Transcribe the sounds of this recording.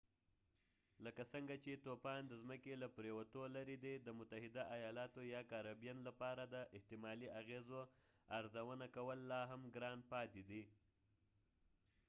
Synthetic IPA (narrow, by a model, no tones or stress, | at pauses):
ləkasəŋɡat͡ʃet̪opɑnd̪əzməkelapɾewat̪olaɾid̪ed̪əmʊt̪aɦɪd̪aʔajɑlɑt̪ojɑkaɾabijanlapɑɾad̪əʔɪht̪ɪmɑliaɣezo | aɾzawənakawəlːɑɦamɡɾɑnpɑt̪ed̪i